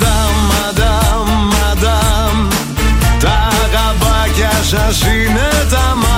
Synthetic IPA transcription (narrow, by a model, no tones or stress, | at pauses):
d̪amːad̪amːad̪am | t̪a | ɡabakjaʃaʃinət̪ama